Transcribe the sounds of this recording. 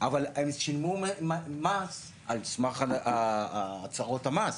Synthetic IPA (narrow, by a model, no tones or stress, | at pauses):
ʔavalemʃilmummas | alsmaχaa | t͡saʁothamas